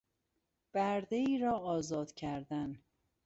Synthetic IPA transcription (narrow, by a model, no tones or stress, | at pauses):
b̥æɾd̪eiːɾɒːɒːzɒːd̪̥cʰæɾd̪æn